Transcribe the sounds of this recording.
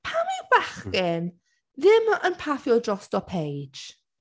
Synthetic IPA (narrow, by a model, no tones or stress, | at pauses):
pʰamiwbaχkɪn | ðɪmənpʰaθjɔdrɔstɔpʰej̥d͡ʒ